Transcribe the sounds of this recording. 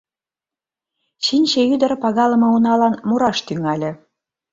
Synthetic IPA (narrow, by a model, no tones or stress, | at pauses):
ɕinʲɕeyd̪ə̆ɾpɑɣɑlɤ̆mɤ̆unɑlɑnmuɾɑʃt̪yŋɑlʲɘ̆